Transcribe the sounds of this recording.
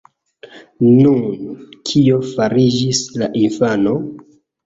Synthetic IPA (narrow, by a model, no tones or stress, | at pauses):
nunkʰio̞faɾid͡ʒislaʔinfano̞